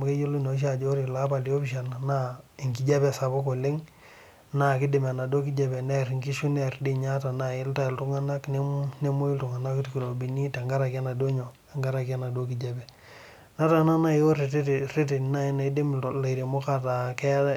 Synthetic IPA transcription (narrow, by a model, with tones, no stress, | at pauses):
m˨ke˦jo˦lu˦no˨˦ʃ̬a˨d͡ʒo˦ɾi˨la˦ba˨li˨o˦biʃa˨na˨na˦i˨ŋki˨d͡ʒa˦bɛ˨sa˨bo˦ko˨le˦ŋ | na˨ki˦de˨ma˨na˨do˦ki˦d͡ʒa˦bɛ˨nɛ˦ɾŋki˦ʃu˦nɛ˨ɾde˦ɲa˦ta˨na˨ɪ˦lta˦i˨ltu˦ŋa˦na˦kne˦ne˦mo˦i˦ltu˨ŋa˨na˦ktki˨ɾo˨bi˨ni˦ta˨ŋɡa˦ɾa˨ka˦na˨do˦ɲo˨ | a˨ŋɡa˦ɾa˨ki˦a˦na˨do˦ki˨d͡ʒa˨bɛ˨ | na˦ta˦˨na˦na˦jo˦ɾe˨tre˦te˨na˦˨na˨i˦de˦mla˨i˨ɾe˨mo˦ka˦ta˨kɛ˦